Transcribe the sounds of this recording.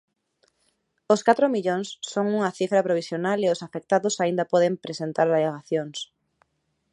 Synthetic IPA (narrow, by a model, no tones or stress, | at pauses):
oskat̪ɾomiʎoŋsːoŋuŋɐθifɾɐpɾoβ̞isjonaleosafek̚t̪aðʊsaind̪ɐpɔðempɾesent̪aɾðaleɣaθjoŋs